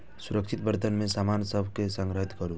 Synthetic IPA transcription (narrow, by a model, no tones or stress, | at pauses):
suɾəkʃʰɪt̪bəɾt̪ənmẽsamaːnsəbʱkesə̃ŋɡɾəɦit̪kəɾũ